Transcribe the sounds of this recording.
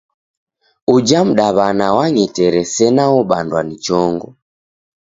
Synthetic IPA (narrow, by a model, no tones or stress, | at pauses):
ud͡ʒam̩ɗaβanawaɲɛtɛɾɛsɛnaɔɓandwanit͡ʃɔŋɡɔ